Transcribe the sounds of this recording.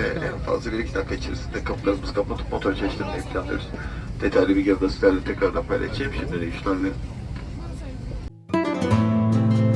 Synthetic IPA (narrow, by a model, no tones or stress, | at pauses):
ɛ̰ʔæ̰nfa̰zlˠabiɾicʰi̥t̪akʰːait͡ʃʰḛɾsind̪ɛkʰaplˠaɾɯmɯz̥kʰapmˠat̪ʰu̥pmot̪ʰoɾt͡ʃʰeʃt̪ʲimnɛipʰlʲanˠɯ̰ɾzd̪̥et̪ʰajlʲibiɟiɾɡasit̪lʲæɾlʲɛt̪ʰɛcɾaɾd̪apʰajlʲˠa̰t͡ʃʰemʃimd̪id̪ɛjyʃlʲænlʲeɾ